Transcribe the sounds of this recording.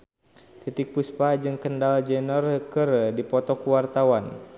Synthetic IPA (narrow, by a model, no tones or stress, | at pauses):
t̪it̪ik̚puspad͡ʒɨŋkəndald͡ʒɛnɔrkərdipɔt̪ɔkuwart̪awan